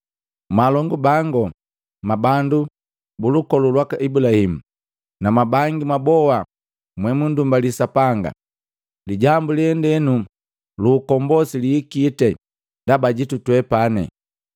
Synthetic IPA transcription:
malɔŋɡubaŋɡɔ | mabandu | bulukɔlulwakaʔibulahimu | namabaŋɡimabɔa | mwɛmundumbalisapaŋɡa̰ | liɟambulihɛndɛnu | luːkɔmbɔsiliːkiːtɛ | ndabaɟitutwɛpanɛ̰

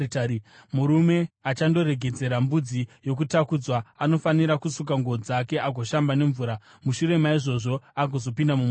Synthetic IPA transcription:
muɾume̞at͡ʃando̞ɾe̞ɡʱe̞d͡ze̞ɾambud͡zijo̞k̬utakud͡zwaano̞faniɾakusuk̬aŋɡod͡zake̞ʔaɡʱoʃambane̞ɱvuːɾa | muʃuɾe̞maiʐo̞ʐo̞aɡʱo̞zo̞pindamum

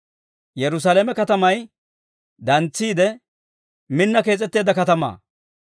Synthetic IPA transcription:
jɛɾʊs̬alemɛkɐt̪ɐmɐj | d̪ɐnt͡sːiːd̪ɛ | mɪnːɐke̞ːt͡sʼɛt̪ːe̞ːd̪ɐkɐt̪ɐma̰ː

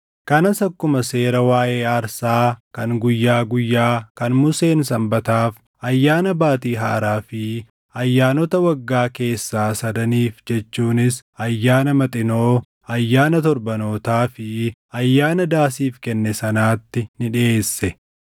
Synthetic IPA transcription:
kɐnɐsɐkːʊmɐse̞ːɾɐwaːʔe̞ːɐɾsaːkɐŋɡʊjːaːɡʊjːaːkɐnmʊse̞ːnsɐmbɐt̪aːf | ɐjːaːnɐbaːt̪iːɦa̰ːɾaːfɪ | ɐjːaːnɔt̪ɐwɐɡːaːke̞ːsːaːsɐd̪ɐniːfd͡ʒɛt͡ʃːuːnɪsɐjːaːnɐmɐt̪ʼɪno̞ː | ɐjːaːnɐt̪ɔɾbɐno̞ːt̪aːfɪɐjːaːnɐd̪aːsiːfkɛnːɛsɐnaːt̪ːɪnɪᶑɪeːsːɛ

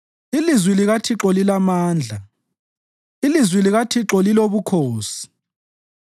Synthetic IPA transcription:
ilizwiliɣatʰiǁɔlilamaːnd͡ɮʱa | ilizwiliɣatʰiǁɔliloβukʰoːsi̥

